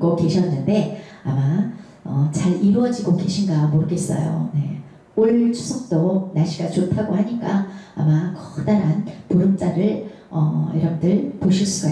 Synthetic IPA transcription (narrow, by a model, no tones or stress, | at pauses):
ɡoke̞ɕʰʌnːɯnde̞ | ama | ʌt͡ɕaɾiɾuʌd͡ʑiɡoke̞ɕʰinɡamoɾɯɡe̞s͈ʌ̰jo̰ne̞̰ | oɭt͡ɕʰu̥sʰʌk̚t͈onaɕʰiɡat͡ɕopʰaɡoɦaɲik͈aːmakʌxt͈anɦanpuɾɯmt͡ɕ͈aɾɯɭ | ʌḭɾamdɯɭpoɕʰis͈ʰʌ